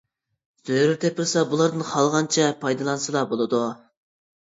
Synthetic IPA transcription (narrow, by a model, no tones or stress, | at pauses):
z̥øjɾɪt̪ʰepɪɾsɑbulˠɑɾd̪ɨnχɑlˠʁɑnt͡ʃʰɛpʰɑjd̪ɨlˠɑnsɨlˠɑbolˠɨd̪u